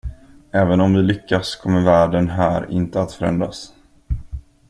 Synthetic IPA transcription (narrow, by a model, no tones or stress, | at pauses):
ɛːvənɔmvɪlʏkːaskʰɔmːəɾvæːɖənɦæːɾɪ̰nt̪əat̪fœɾɛ̰nd̪ɾas